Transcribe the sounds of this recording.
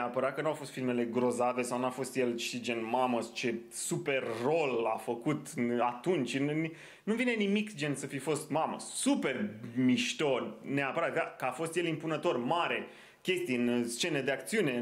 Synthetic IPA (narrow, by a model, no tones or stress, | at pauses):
apəɾat̪̚kənuawfo̞st̪filme̞le̞ɡɾo̞zave̞sawnuafo̞st̪je̞lʃid͡ʒe̞nmaməst͡ʃe̞supe̞rːo̞lafəkut̪ɨat̪unt͡ʃ̪ʲ | nuvine̞nimikd͡ʒe̞nsəfifo̞st̪mamə̰supe̞rmiʃt̪o̞nʲneapəɾat̪̚akəafo̞st̪je̞limpunət̪o̞rmaɾe̞ | kʲe̞st̪ijɨnst͡ʃe̞ned̪eak̚t̪siune̞